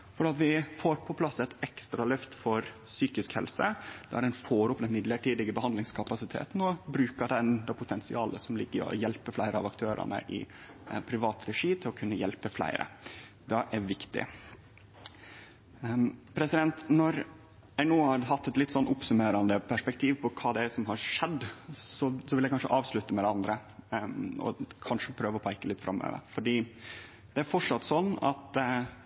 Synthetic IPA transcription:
fɔɾɖɛːɑt̪ʋɪfoːɾpʰɔpʰlɑsːɛt̪ɛkst̪ɾɑlœft̪fɔɾsyːkɪskhɛ̰lsəd̪̥ɛæɾɛɪnfoːɾʊpd̪əmɪd̪ləʈiːd̪ɪɡəbəhɑnd̪lɪŋskʰɑpɑsɪt̪ʰḛːt̪nɔbɾʉːkəɖɛnd̪ɑpʰʊt̪ʰɛnsɪ̰ɑːləsɔmlɪɡːəɾɔ̰jɛlpəflæɪɾʔəɑ̰ʋɑkt̪ʰøːɾɑ̰nə̰ʔɪ̰ | pʰɾɪʋɑːt̪ɾɛʂiːt̪ʰɪlɔkʰʉnːəjɛlpəflæ̰ɪɾʔə̰ | d̪ɛʔæɾʋɪkt̪ɪ̰ | pʰɾɛsɪd̪ɛnt̪nɔɾ | æɪnoːhɑɾhɑt̪ːɛt̪lɪt̪ːsɔnːʊpsʉmeːɾɑnd̪əpʰæʂpɛk̚t̪ʰiːʋpʰɔkʰɑːd̪ɛæsɔmɦɑɾʂɛd̪sɔsɔʋɪljæɪkɑnʂə̰ʔɑːʋsɭʉt̪ːəmɛd̪ɛɑnd̪ɾə | ɔ̰kʰɑnʂəpʰɾøːʋəɔpʰɑɪkəlɪt̪fɾʔɑ̰mːø̰ːʋə̰ɾfɔɖiː | d̪̥ɛæɾfɔʈʂɑt̪ːsɔnːɑ̰t̪

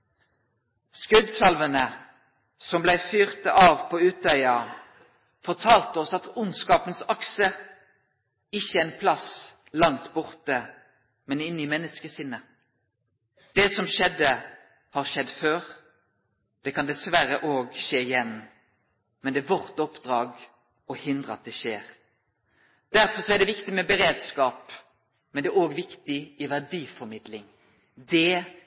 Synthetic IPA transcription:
skʉd̪sɑlʋənə | sɔmblæɪfyːʁt̪əʔɑːʋpʰoːʉːt̪œʏɑ | fɔʁt̪ʰɑːlt̪əɔsɑt̪ʊnskɑːpənsɑksə | ɪçːəɛɪnpʰlɑs | lɑŋt̪bʊʁt̪ə | mɛnɪnːimɛnːəskəsɪnːə | d̪̥eːsɔmʃɛd̪ə | hɑʁʃɛd̪ːføːʁ | d̪̥ɛkʰɑnd̪ɛsʋæɾəʔoːɡʃeːɪjɛnː | mɛnd̪ɛːʋɔʁt̪ɔpd̪ɾɑːɡ | ɔhɪnd̪ʁəɑt̪̚d̪ɛʃeːʁ | d̪̥æɾfɔʁsɔæʁd̪ɛʋɪkt̪ɪmɛbəɾeːd̪skɑːp | mɛnd̪ɛoːɡʋɪkt̪ɪʔɪʋæʁd̪iːfɔɾmɪd̪lɪŋ | d̪ɛ

